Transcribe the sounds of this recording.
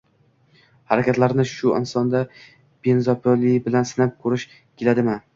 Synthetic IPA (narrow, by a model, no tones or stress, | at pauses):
haɾakʲʰat̪laɾnɪʃʊɪ̰nsɒnd̪a | b̥enzɒpʰolibɪlansɪnap̚kʰɵɾɪʃ | kʲʰelad̪ɪmɪ